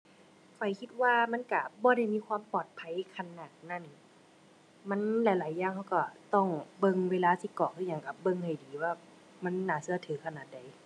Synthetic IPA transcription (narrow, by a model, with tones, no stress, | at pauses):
kʰɔ˨˩jkʰi˧t̪̚waː˧ma˧˥˨nka˧˩bɔː˧˦ɾa˧˩˨jmiː˧˥˨kʰwaː˧˥˨mpɔː˨˩t̪̚pʰa˧˥jkʰa˧nːaː˧˩t̪̚na˧˩˨n | ma˧˥˨nla˧˦jlaː˨˦jːaː˧˨ŋha˧wka˧˩t̪ɔ˧˩ŋbɤ˧˨ŋweː˧laː˧si˧˦kɔː˨˩ŋkʰɯː˧˩ɲaː˧˩˨ŋka˧˩bɤ˧˨ŋha˨˩jdiː˨˦waː˧˩ | ma˧˥˨nːaː˨˩sɯ˧ɐ˧t̪ʰɯː˨˦kʰa˧naː˨˩t̪̚da˨˩j